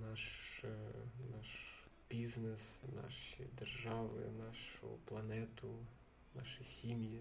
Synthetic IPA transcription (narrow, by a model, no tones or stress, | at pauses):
nɑʃ | nɑʃ | bʲiznesnɑ̰ʃḭd̪erʒɑʋɪ̰nɑʃʊ̰plˠɐnɛt̪ʊ | nɑʃisʲimji